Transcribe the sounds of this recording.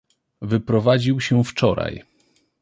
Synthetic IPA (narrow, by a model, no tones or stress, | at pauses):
vɘpɾɔvad͡ʑiwɕɛft͡ʂɔɾa̰j